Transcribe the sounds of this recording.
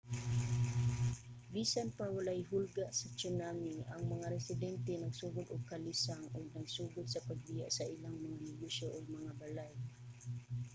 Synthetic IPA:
bisanpawalajɦʊlɡaʔsɐt͡ʃʊnamiʔaŋmɐŋaɾɛsɪd̪ɛnt̪ɛnɐɡsuːɡʊd̪oɡ̚kalisaŋʔoɡ̚nɐɡsuːɡʊd̪̚sɐpaɡ̚bija̰ʔsɐʔilaŋmɐŋanɛɡusoʔoɡ̚mɐŋabalaj

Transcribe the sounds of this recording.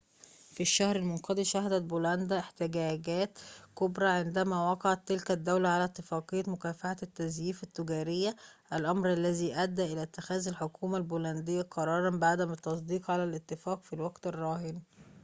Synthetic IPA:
fiʃːæhɾɪlmonqɑd̪iʃæhæd̪æt̪̚bolænd̪æʔeħt̪ɪɡæːɡæːt̪kobɾˤɑʕend̪æmæwɑqɑʕɑt̪ːelkæd̪ːæwlæʕalæt̪ːɪfɑːqejːæmʊkæːfaħat̪ːæzjiːfæt̪ːʊɡæːɾɪjːæʔælʔɑmɾʔælːæziːʔæd̪ːæʔelæt̪ːɪxæːzælħokʰuːmælbolænd̪ɪjːæqʰɑɾˤɑːɾˤɑnbaʕd̪æmɪt̪ːɑsˤd̪iːqʕalælʔɪt̪ːɪfæːqfilwæɡt̪ɪrˤːɑːɦɪn

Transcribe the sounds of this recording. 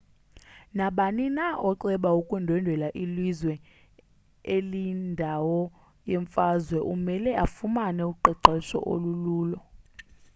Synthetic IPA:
naɓaninaʔɔǀɛɓaukʼwɛndʱɛndʱɛlaʔilizwɛ | elindʱawɔ | jɛɱfazwɛʔumɛlɛʔafumanɛuǃɛǃɛʃɔ̰ʔo̰luluːlɔ

